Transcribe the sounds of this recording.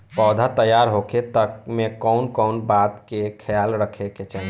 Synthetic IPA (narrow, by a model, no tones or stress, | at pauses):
pɔːd̪ʱat̪əjaɾɦokʰet̪əkmẽkɔʊnkɔʊnbaːt̪kekʰəjaːlɾəkʰeket͡ʃɛn